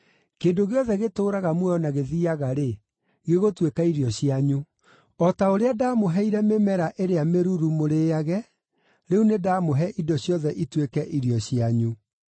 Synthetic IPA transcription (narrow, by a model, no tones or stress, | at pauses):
keːndoɣeɔðɛɣetoːɾaɣamwɛjɔnaɣeðiaɣaɾe | ɣeɣotwekaiɾiɔɕiaɲu | ɔtaoɾeadaːmoɦɛiɾɛmemɛɾaʔeɾeameɾuɾumoɾeːaɣɛ | ɾeunedaːmoɦɛʔidɔɕjɔðɛʔitwekɛʔiɾiɔɕiaɲu